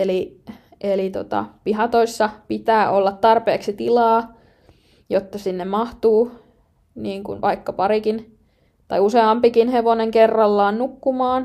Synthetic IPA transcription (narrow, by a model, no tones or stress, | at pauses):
eli | ʔelit̪o̰t̪ɑ̰piɦɑt̪oisːɑpit̪æːʔolːɑt̪t̪ɑrpeːksit̪ilɑː | jot̪ːɑsinːemmɑht̪uː | niːŋkṵnʋʔɑ̰ikːɑpɑɾikin | t̪ɑjuseɑmpikinheʋoneŋkerːɑlːɑːnnukːumɑːn